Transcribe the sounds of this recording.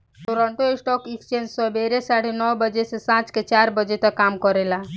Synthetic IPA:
ʈoɾɔɳʈoesʈɔkikst͡ʃẽnd͡ʒsɔbeɾesaɽenɔwbəd͡ʒesesãt͡ʃket͡ʃaɾbəd͡ʒet̪ɔkamkɔɾela

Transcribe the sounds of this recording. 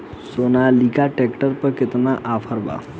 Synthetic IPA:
sonalikaʈekʈəɾpəɾkɪt̪naʔafʰəɾba̰

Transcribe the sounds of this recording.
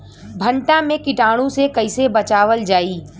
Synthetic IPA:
bʱə̃ɳʈãmẽkɪʈaːɽ̃ũsekɐɪsebɐt͡ʃaːʋəld͡ʒaːiː

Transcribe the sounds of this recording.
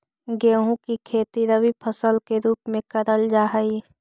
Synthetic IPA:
ɡeːɦũkikʰeːt̪iɾəʋipʰəsəlkeɾuːpmẽkɐɾəld͡ʒaːɦəi

